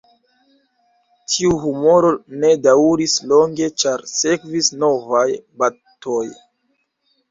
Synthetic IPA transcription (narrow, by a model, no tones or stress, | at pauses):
tʰiuɦumo̞ɾo̞ne̞daɾislo̞ŋɡe̞t͡ʃaɾse̞kvisno̞vajba | to̞j